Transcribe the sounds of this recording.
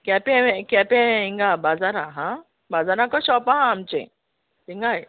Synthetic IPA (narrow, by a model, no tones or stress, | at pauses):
kɛpeẽkɛpẽĩŋɡabazaɾãɦã | bazaɾãkɔʃɔpaɦãːmt͡ʃḛ̃ | t̪iŋɡaj